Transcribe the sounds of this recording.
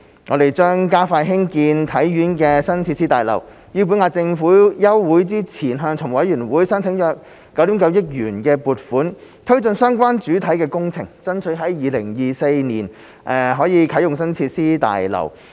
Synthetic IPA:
ŋɔː˨˧d̪e˨jt͡ʃœː˥ŋkaː˥faː˧jɦɪ˥ŋkiː˧nt̪ʰɐ˨˥jːyː˨˥nkɛː˧sɐ˥nt͡sʰiː˧t̚siː˥t̪aː˨jlɐ̰˨˩w | jiː˧pu˨˥nŋaː˧t͡sɪ˧ŋfuː˨˥jɐ˥wːuː˨˥jt͡siː˥t͡sʰiː˨˩nɦœː˧ŋt͡sʰʊ˨˩ŋwɐ˨˥jjyː˨˩nwuː˨˥jsɐ˥nt͡sʰɪ˨˥ŋjɔː˧˥kː | ɐ˨˥wt̪i˨˥mkɐ˨˧wjɪ˥k̚jyː˨˩nkɛː˧puː˨t̚fuː˨˥nt̪ʰɵ˥ɥt͡sɵ˧nsœː˥ŋkʷaː˥nt͡ʃyː˨˥t̪ʰɐ˨˥jkɛː˧kʊ˥ŋt͡sʰɪ̰˨˩ŋt͡sɐ˥nt͡ʃʰɵ˨˥ɥɦɐ˨˥jjiː˨˧lɪ̰˨˩ŋjiː˨se˧jnḭː˨˩n | ʔɛː˨ɦɔː˨˥jiː˨˧kʰɐ˨˥jʊ˨ŋsɐ˥nt͡sʰiː˧t̚siː˥t̪a̰ː˨jlɐ̰˨˩w

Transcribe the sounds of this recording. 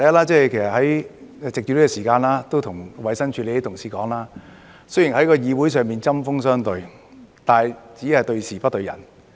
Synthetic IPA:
t̪ɐ˨˧jɐ˥tlaː˥t͡sɛː˥˨jkʰe˨˩jsɐ˨t̚hɐ˨˥jt͡sɪ˨k̚t͡ʃyː˧li˥kɔː˧siː˨˩kaː˧nlaː˥t̪o˥wt̪ʰʊ˨˩ŋwɐ˨˧jsɐ˥nt͡ʃʰy˧le˨˧e˥t̪ʰʊ˨˩ŋsiː˨kɔː˨˥ŋlaː˥ | sɵ˥jiː˨˩nhɐ˨˥jkɔː˧jiː˨˧wu˨˥js̬œː˨˧ŋmiː˨nt͡sɐ˥mfʊ˥ŋsœː˥ŋt̪ɵ˧ɥ | t̪aː˨jt͡siː˨˥hɐ˨jt̪ɵ˧ɥsiː˨˩pɐ˥t̚t̪ɵ˧ɥjɐ̰˨˩n

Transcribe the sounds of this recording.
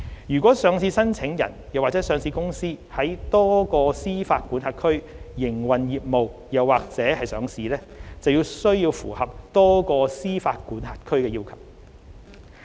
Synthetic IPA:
jyː˨˩kʷɔː˨˥sœː˨˧ŋsiː˧sɐ˥nt͡sʰɪ˨˥ŋjɐ̰˨˩njɐ˨˩wa˨t͡sɛː˨˥sœː˨˧ŋsiː˧kʊ˥ŋsiː˥hɐ˨˥jt̪ɔː˥kɔː˧siː˥faː˧t̚ku˨˥nɦaː˧t̚kʰɵ˥ɥ | jɪ˨˩ŋwɐ˨njiː˨p̚mo˨wjɐ˨˩wːaː˨k̚t͡sɛː˨˥hɐ˨jsœː˨˥ŋsiː˧lɛː˥ | t͡sɐ˨wjiː˧wsɵ˥ɥjiː˧wfṵː˨˩hɐ˨p̚t̪ɔː˥kɔː˧siː˥faː˧t̚kuː˨˥nhaː˧t̚kʰɵ˥ɥkɛː˧ji˥wkʰɐ˨˩w̚

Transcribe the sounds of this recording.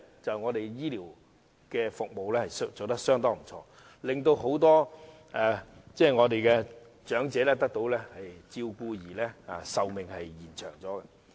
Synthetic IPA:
t͡sɐ˨wŋɔː˨˧t̪e˨jjiː˥liː˨˩w | kɛː˧fʊ˨k̚mo˨wlɛː˥hɐ˨jt͡so˨˩t̪ɐ˥k̚sœː˥ŋt̪ɔː˥ŋm̩˨˩t͡ʃʰɔː˧ | lɪ˨ŋt̪o˧wɦo˨˥wt̪ɔː˥ | ɛː˨˩t͡sɛː˥˩ŋɔː˨˧t̪e˨jkɛ˧ | t͡ʃœː˨˥ŋt͡sɛː˨˥lɛː˥t̪ɐ˥k̚t̪o˨˥wlɛː˥hɐ˨jt͡siː˧wkuː˧jiː˨˩lɛː˥a̰˨˩sɐ˨wmɪ˨ŋhɐ˨jːiː˨˩nt͡ʃʰœ̰ː˨˩ŋt͡sɔː˨˥ɡɛ˧

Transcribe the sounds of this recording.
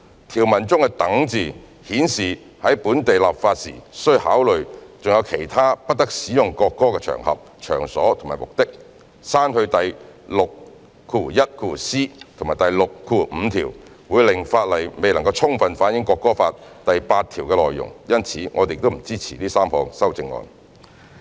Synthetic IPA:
t̪ʰiː˨˩wmɐ˨˩nt͡sʊ˥ŋkɛ˧t̪ɐ˨˥ŋt͡siː˨ | hiː˨˥nsiː˨˩ | hɐ˨˥jpuː˨˥nt̪e˨jla̰˨p̚faː˧t̚sḭː˨˩sɵ˥ha̰ː˨˥wlɵ˨ɥt͡sʊ˨ŋjɐ˨˧wkʰe˨˩jt̪ʰaː˥pɐ˥t̚t̪ɐ˥k̚siː˨˥jʊ˨ŋkɔː˧kːɔː˥kɛː˧t͡ʃʰœ̰˨˩ŋhɐ̰˨p̚t͡ʃʰœ̰ː˨˩ŋsɔ̰ː˨˥t̪ʰʊ˨˩maː˨˩jmʊ˨k̚t̪ɪ˥k̚ | saː˥nhɵ˧ɥt̪ɐ˨˩jlʊ˨k̚ | kʰuː˨˩jɐ˥t̚kʰuː˧˩siː˥t̪ʰʊ˨ŋmaː˨˩jt̪ɐ˨jlʊ˨kkʰːuː˧˩m̩ː˨˧t̪ʰḭː˨˩w | wuː˨˧jlɪ˨˩ŋfaː˧t̚lɐ˨˩jme˨jlɐ˨˩ŋkɐ˧wt͡sʰʊ˥ŋfɐ˧nfaː˨˥njɪ˨˥ŋkɔː˧kːɔː˥faː˧tt̪ɐ˨jpaː˧t̪̚ʰiː˨˩wkɛː˧lɔː˨˩jːʊ̰˨˩ŋjɐ˥nt͡sʰiː˨˥ŋɔː˨˧t̪e˨jɪk̚t̪o˥m̩˨˩t͡siː˥t͡sʰḭː˨˩liː˥saː˥mhɔː˧ŋsɐ˥wt͡sɪ˧ŋːɔ̰ː˧n

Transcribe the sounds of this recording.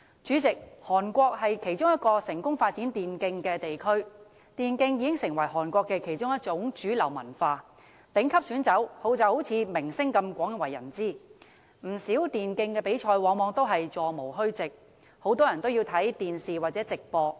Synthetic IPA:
t͡ʃyː˨˥t͡sɪ˨k̚hɔː˨˩nkʷɔː˧k̚hɐ˨jkʰe˨˩jt͡ʃʊ˥ŋjɐ˥t̚kɔː˧sɪ˨˩ŋkʊ˥ŋfaː˧t̚t͡siː˨˥nt̪iː˨nkɪ˧ŋkɛː˧t̪e˨jkʰɵ˥ɥ | t̪iː˨nkɪ˧ŋjiː˨˥kɪ˥ŋsɪ˨˩ŋwɐ˨˩jhɔː˨˩nkʷɔː˧kːɛ˧kʰe˨˩jt͡ʃʊ˥ŋjɐ˥t̚t͡ʃʊ˨˥ŋt͡ʃyː˨˥lɐ˨˩wmɐ̰˨˩nfaː˧ | t̪ɪ˨˥ŋkʰɐ˥p̚syː˨˥nt͡sɐ˨˥who˨˧wt͡sɐ˨˧who˨˥wt͡sʰiː˨˧mɪ˨˩ŋsɪ˥ŋkɐ˧mkʷɔː˨˥ŋ˧wɐ˨˩jːɐ̰˨˩nt͡siː˥ | m̩˨˩siː˨˥wt̪iː˨nkɪ˧ŋkɛː˧pe˨˥jt͡ʃʰɔː˧jwɔː˨˥ŋmɔː˨˧˥ŋt̪o˥wɦɐ˨jt͡sɔː˨˩mo˨˩wɦɵ˥ɥt͡sɪ˨k̚ | ho˨˥wt̪ɔː˥jɐ˨˩nt̪o˥wjiː˧wt̪ʰɐ˨˥jt̪iː˨nsiː˨waː˨t͡sɛː˨˥t͡sɪ˨k̚pɔː˧

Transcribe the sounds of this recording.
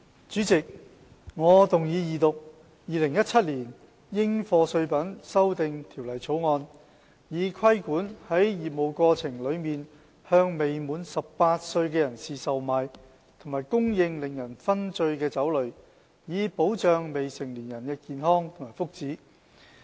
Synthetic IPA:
t͡ʃyː˨˥t͡sɪ˨k̚ | ŋɔː˨˧t̪ʊ˨ŋjiː˨˧jiː˨t̪ʊ˨k̚ | jiː˨˧lɪ˨˩ŋjɐ˥t̚t͡sʰɐ˥t̚liː˨˩n | jɪ˥ŋfɔː˧sɵ˧ɥpɐ˨˥nsɐ˥wt̪ɪ˨˧ŋt̪ʰiː˨˩wlɐ˨˩jt͡sʰo˨˥wŋɔː˧n | jiː˨˧kʰɐ˥jkuː˨˥nhɐ˨˥jjiː˨p̚mo˨˧wkɔː˧t͡sʰɪ˨˩ŋlɵ˨˧ɥmiː˨n | hœː˧ŋme˨jmuː˨nsɐ˨ppaː˧t̚sɵ˧ɥkɛː˧jɐ˨˩nsiː˨sɐ˨wmaː˨˧j | t̪ʰʊ˨˩maː˨˩jkʊ˥ŋjɪ˧ŋlɪ˨˩ŋjɐ˨˩nfɐ˥nt͡sɵ˧ɥkɛː˧t͡sɐ˨˥wlɵ˨˧ɥ | jiː˨˧po˨˥wt͡ʃœː˨˧ŋme˨jsɪ˨˩ŋliː˨˩njɐ˨˩nkɛː˧kiː˨nɦɔː˥ŋt̪ʰʊ˨˩maː˨˩fʊ˥k̚t͡siː˨˥

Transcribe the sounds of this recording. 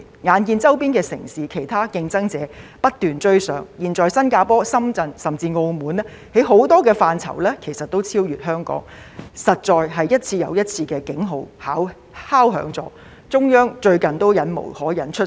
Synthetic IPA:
ŋaː˨nkiː˧nt͡sɐ˥wpiː˥nkɛː˧sɪ̰˨˩ŋsiː˨kʰe˨˩jt̪ʰaː˥kɪ˧ŋt͡sɐ˥ŋt͡sɛː˨˥pɐ˥t̚t̪yː˨nt͡ʃɵ˥ɥsœː˨˥ŋjiː˨nt͡sɔː˨jsɐ˥nkaː˧pɔː˥sɐ˥mt͡sɐ˧nsɐ˨˩mt͡siː˧ŋo˧wmuː˨˥nɛ˥ | he˨˥jɦo˨˥wt̪ɔː˥kɛː˧faː˧nt͡sʰɐ̰˨˩wlɛː˥kʰe˨˩jsɐ˨t̚t̪o˥wt͡sʰiː˥wjyː˨t̚hœː˥ŋkɔ̰ː˨˥ŋ | sɐ˨t̚t͡sɔː˨˧jɦɐ˨jːɐ˥t̚t͡sʰiː˧jɐ̰˨˧wjɐ˥t̚t͡sʰiː˧kɛː˧kɪ˨˥ŋɦo˨˧whaː˨˥w | haː˥wɦœ̰ː˨˥ŋt͡sɔ̰ː˧˥ | t͡sʊ˥ŋjœː˥ŋt͡ʃɵ˧ɥkɐ˨nt̪o˥wjɐ˨˥nmo̰˨˩hɔː˨˥jɐ˨˥nt͡ʃʰɵ˥

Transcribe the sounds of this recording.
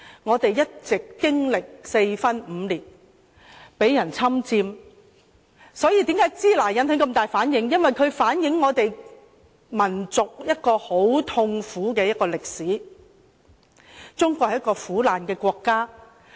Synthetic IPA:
ŋɔː˨˧t̪e˨jjɐ˥t̚t͡sɪ˨kːɪ˥ŋlɪ˨k̚se˧jfɐ˥nm̩˨˧liː˨˩t̚ | pe˨˥jːɐ˨˩nt͡sʰɐ˥mt͡siː˧m | sɔː˨˥jiː˨˧t̪iː˨˥mkaː˨˥jt͡siː˥laː˨˩jjɐ˨˥nt̪ɪ˨˥ŋkɐ˧mt̪aː˨jfaː˨˥njɪ˨˧ŋjɐ˥nwɐ˨˩jkʰɵ˨˧ɥfaː˨˥njɪ˨˥ŋːɔː˨˧t̪e˨j | mɐ˨˩nt͡sʊ˨k̚jɐ˥t̚kɔː˧ho˨˥wt̪ʰʊ˧ŋfuː˨˥kɛː˧jɐ˥t̚kːɔː˧lɪ˨k̚siː˨˥ | t͡sʊ˥ŋkʷɔ˧k̚hjɐ˥kɔː˧fuː˨˥laː˨nkɛː˧kʷɔː˧kːaː˥

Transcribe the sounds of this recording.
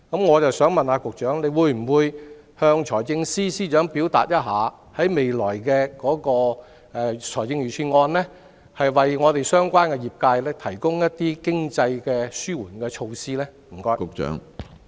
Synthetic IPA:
kɐ˨˥mŋɔː˨˧t͡sɐ˨wsœː˨˥ŋmɐ˨naː˧kʊ˨k̚t͡ʃœː˨˥ŋle˨˧jwuː˨˧jm̩˨˩wuː˨˧j | hœː˧ŋt͡ʃʰɔː˨˩jt͡sɪ˧ŋsiː˥siː˥t͡ʃœː˨˥ŋpi˨˥wt̪a̰ː˨t̚jɐ˥t̚ɦaː˨˧ | hɐ˨˥jme˨jlɔː˨˩jkɛː˧kɔː˨˥kɔː˧ | ɛː˧t͡ʃʰɔː˨˩jt͡sɪ˧ŋɥyː˨˩t͡ʃʰyː˧nŋɔː˧nlɛː˥ | hɐ˨jwɐ˨jŋɔː˨˧t̪e˨jsœː˥ŋkʷaː˥nkɛː˧jiː˨p̚kaː˧jlɛː˥t̪ʰɐ˨˩jkʊ˥ŋjɐ˥t̚t̪iː˥kɪ˥ŋt͡sɐ˧jkɛː˧syː˥wuː˨˩nkɛː˧t͡ʃʰo˧wsiː˥lɛː˥ | m̩˨˩kɔː˥jkʊ˨k̚t͡ʃœ̰ː˨˥ŋ

